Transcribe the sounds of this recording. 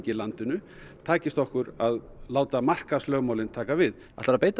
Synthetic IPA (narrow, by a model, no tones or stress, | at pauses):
cɪlant̪ɪnʏ | t̪ʰaːcɪst̪ɔhkʏɾað | laːwt̪amar̥kaslœːɣmawlɪnt̪ʰaːkavɪð | a̰θt̪aɾapeːjt̪